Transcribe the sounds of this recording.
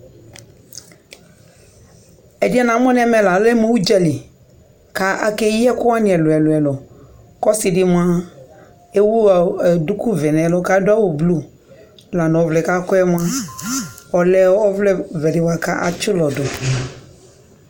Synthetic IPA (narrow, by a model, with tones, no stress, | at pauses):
ɛ˨di˦ɛ˦nã˨˦mɔ̃˦nɛ̃˦mɛ̃˨la˨lɛ˦mẽ˦wu˦d͡ʒɛ˨li˨ | ka˦ʔa˦kɛ˦ji˦ɛ˦kɔ˦a˦nĩ˨ɛ˨lo˨ɛ˨lo˨ɛ˨lɔ˨ | kɔ˦si˨di˦m˦ã˦ | e˦wu˦˨du˦ku˦vɛ˨nɛ̃˨lɔ˦ka˦do˦a˦wo˨blu˦ | la˨nɔ̃˨ɔ˨vlɛ˨ka˦kɔ˦ɛ˦m˦ã˦ | ɔ˨lɛ˦ɔ˦vlɛ˦vɛ˨ɖi˨wa˨ka˦ʔa˨t͡ʃu˦lɔ˨dɔ˨